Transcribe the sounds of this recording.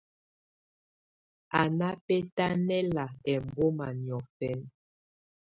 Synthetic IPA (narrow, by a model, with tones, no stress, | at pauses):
a˨na˦pɛ˦ta˦nɛ˦la˨ɛ˨mbo˦ma˨njɔ˨fɛ˦n